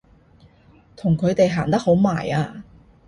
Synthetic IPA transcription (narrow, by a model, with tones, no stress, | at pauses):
t̪ʰʊ˨˩ŋkʰɵ˨˧ɥt̪e˨jɦaː˨˩nt̪ɐ˥k̚ho˨˥wma̰ː˨˩jaː˧